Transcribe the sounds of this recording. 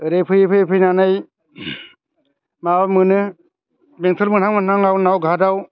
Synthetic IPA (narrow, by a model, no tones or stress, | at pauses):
ɯɾepʰɯjɯpʰɯjpʰɯjnanɯj | mabamɯnɯ | beŋtʰɯɾmɯnhaŋmɯnaŋawnawɡʱadaw